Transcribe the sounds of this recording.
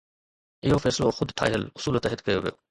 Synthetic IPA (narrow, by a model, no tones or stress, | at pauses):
ɪjoːfeːsloxʊd̪t̪ʰa̰jɦəlʊsuːlot̪ɐɦet̪kəɾjoːɡɐ̰jo